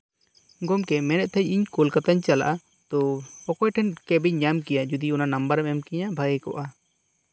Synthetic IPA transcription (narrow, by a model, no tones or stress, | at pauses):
ɡɔmkɛmɛnɛt̪̚ˀt̪ʰəcʔiɲkɔlkat̪aɲt͡ʃala̰ʔa | t̪ɔɔkɔjʈʰɛnkɛbiɲɲamkɛjad͡ʒud̪iunanambaɾɛmɛmkiɲabʱajɛkɔ̰ʔa